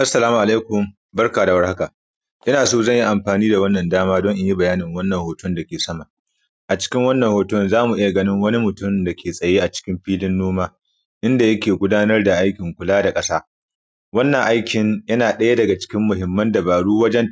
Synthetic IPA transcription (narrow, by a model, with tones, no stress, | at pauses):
ʔa˦sːɐ˨laː˦mu˨ʔa˨leː˦kʷʊ˨m | bɐ˦rkaː˨da˨wɐ˦rha˦ka˨ | ʔɪ˦naː˨soː˦zɐ˦˨ɲji˦ʔa˨mɸaː˨niː˦da˨wɐ˦nːɐ˨ndaː˦maː˦dɔ˦ŋʔɪ˦ɲji˦bɐ˨jaː˦nɪ˨ŋwɐ˦nːɐ˨ŋhoː˨tʊ˦nda˨kʲeː˨sɐ˦ma˨ʔ | ʔa˨t͡ʃɪ̥˦kʲɪ˦ŋwɐ˦nːɐ˨hoː˨tʊ˦nzaː˦mu˨ʔɪ˦ja˨ɡɐ˦nɪ˦ŋwɐ˦ni˦mʊ˨tʊ˦mda˨kʲʰeː˨sʼɐ˨jeː˦ʔa˨t͡ʃɪ̥˦kʲɪ˦mɸiː˦lɪ˦nːoː˦maː˦ | ʔɪ˦nda˨jɐ˦kʲeː˨ɡʷʊ˦daː˦nɐ˦rda˨ʔa˦jkʲɪ˨ŋkʷʊ˨laː˦da˨kʼɐ˦saː˦ | wɐ˦nːɐ˨ŋʔa˦jkʲɪ˨njɐ˦naː˨ɗɐ˦ja˦dɐ˨ɡa˨t͡ʃɪ̥˦kʲɪ˦mːʊ˨ɦɪ˨mːɐ˦ndɐ˨baː˨ɽuː˦wɐ˦d͡ʒɛ˦n